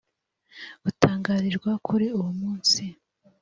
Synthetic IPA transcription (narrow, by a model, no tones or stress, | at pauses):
utʰaːŋɡaːɾiɾɡwakʰuɾiuwumuːnsi